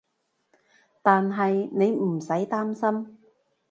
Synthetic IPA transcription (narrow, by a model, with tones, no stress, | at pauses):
t̪aː˨nɦɐ˨jne˨˧jm̩˨˩sɐ˨˥jt̪aː˥msɐ˥m